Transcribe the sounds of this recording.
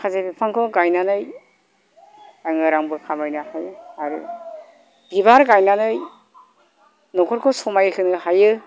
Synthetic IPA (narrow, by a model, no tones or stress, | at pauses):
kʰazebipʰaŋkʰɔɡajnanɯj | aŋɯɾaŋbɯkʰamajnɯhajaɾɯ | b̥ibaɾɡajnanɯj | nɔkʰɔɾkʰɔsɔmajɯkʰɯnɯɦajɯ